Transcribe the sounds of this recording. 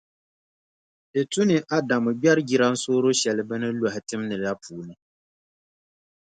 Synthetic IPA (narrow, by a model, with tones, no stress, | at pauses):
dɛ˨tu˦nɨ˨ʔa˦da˨mɨ˨bɛ˦ɾɡi˨ɾa˦n̩˦soː˦ɾo˦ʃɛ˨lɨ˨bɨ˦nɨ˦la˨hɪ˨tɨ˦mnɨ˨ɾa˦pʰuː˨nɨ˨